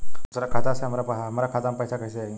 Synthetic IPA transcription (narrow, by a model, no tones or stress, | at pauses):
usɾakʰat̪aəseam̤aɾapaɦaamaɾakʰat̪ampəjsakʰəseaɦi